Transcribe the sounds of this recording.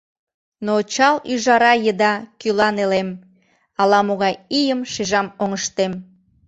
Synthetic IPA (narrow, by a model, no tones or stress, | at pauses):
not͡ɕɑlyʒɑɾɑjəd̪ɑkylɑnelem | ɑlɑmoɣɑjijəmʃeʒɑmoŋəʃt̪em